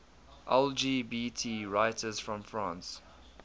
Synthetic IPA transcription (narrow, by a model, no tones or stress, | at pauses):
ʔɛld͡ʒiːbiːtʰiɹaɪtʰəz̥fɹɔ̃mfɹãns